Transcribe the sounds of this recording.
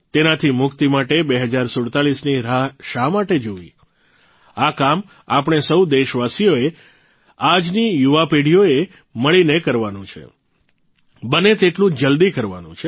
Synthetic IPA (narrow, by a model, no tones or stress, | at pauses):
t̪enat̪ʰimʊkt̪imaʈebeɦəd͡ʒaɾsʊɽt̪aɭisniaʃamaʈed͡ʒoʋḭ | akam | a̰pəɳ̃esəwd̪eʃʋasijoe | ad͡ʒnijuʋapeɽijoe | məɭinekəɾʋanũt͡ʃʰḛ | bənet̪eʈlũd͡ʒəld̪ikəɾʋa̰nṵ̃t͡ʃʰe